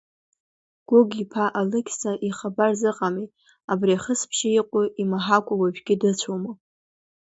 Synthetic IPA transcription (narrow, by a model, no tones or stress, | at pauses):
ɡ̥ʷʊɡipʰaʔalɨkʲʰsaʔiχabarzɨqʼamit | abriaχəspʰʃɪiqʷʼʊʔimaħakʷʼawaʒᶣɡʲɪdɨt͡ɕʷʰomo